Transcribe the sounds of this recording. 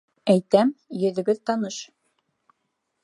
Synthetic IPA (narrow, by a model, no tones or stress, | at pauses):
æjt̪æmjɵ̆ðɘ̆ɡɘðt̪ɑnɤʃ